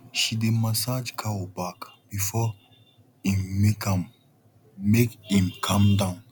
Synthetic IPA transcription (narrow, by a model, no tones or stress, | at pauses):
ʃidemasad͡ʒkʰaɔbakb̥ifɔ | imekam | mekĩmkʰãmdãʊ̃n